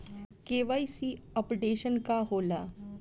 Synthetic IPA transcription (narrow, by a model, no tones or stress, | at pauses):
keːʋaːisiɔpɖeːʃənkaɦoːlaː